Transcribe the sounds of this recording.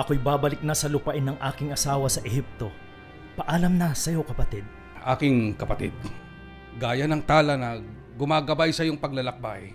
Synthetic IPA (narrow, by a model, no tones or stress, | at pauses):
ʔɐkojbaːbɐlɪk̚nɐsɐlʊpɐʔɪnɐŋʔaːkɪŋʔɐsaːwɐsɐʔɛhip̚t̪o̞ | pɐʔalɐmnɐsɐjo̞kɐpɐt̪id̪̚ | ʔa̰ːkɪŋkɐpɐt̪ɪ̰d̪̚ | ɡaːjɐnɐŋt̪aːlɐnɐ | ɡʊmaːɡɐbajsɐjoŋpɐɡ̚lɐlɐk̚baj